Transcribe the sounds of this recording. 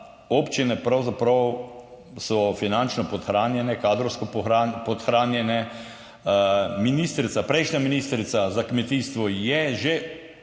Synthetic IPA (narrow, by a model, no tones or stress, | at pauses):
opt͡ʃinɛpɾawzapɾaw | sɔfinant͡ʃnɔpɔt̪xɾaːnjɛnɛkaːd̪ɾɔwskɔpapɔt̪xɾaːnjɛnɛ | miniːst̪ɾit̪sapɾɛjʃnʲaminist̪ɾit̪sazakmɛt̪iːst̪ʋɔjɛʒe